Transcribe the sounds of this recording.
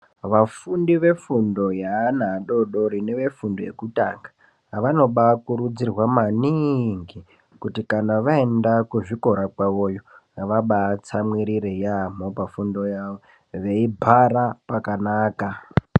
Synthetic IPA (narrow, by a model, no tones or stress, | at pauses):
ʋafundiʋe̞fundo̞jaːnaɗo̞ɗo̞ɾine̞ʋe̞fundoje̞̰kuta̰ŋɡa | ʋano̞ɓakuɾud͡zirwamaniŋɡi | kutikanaʋae̞ndakuʐiko̞ɾakwaʋo̞jo̞ʋaɓat͡samwiɾiɾejamo̞pafundo̞jaʋo | ʋe̞ibʱaɾapakanaːka